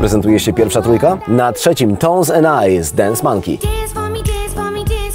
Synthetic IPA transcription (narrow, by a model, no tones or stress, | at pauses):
pɾɛzɛnt̪ujɛɕɛpʲjɛɾfʂat̪ɾujkanatʂɛt͡ɕimt̪ɔ̃nzɛnajzd̪ɛnsmaŋkʲḭ